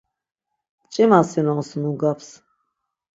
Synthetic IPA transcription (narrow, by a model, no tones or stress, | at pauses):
t͡ʃʼɛmasɛnɔnsnuɡapʰs